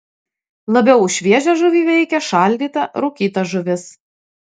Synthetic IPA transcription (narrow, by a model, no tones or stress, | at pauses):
lˠɐbʲɛʊʃʲʋʲiɛʒʲæʒʊʋʲiːʋʲɛɪkʲɛʃɑˑlʲd̪ʲiːt̪ɐɾʊkʲiːt̪ɐʒʊʋʲɪs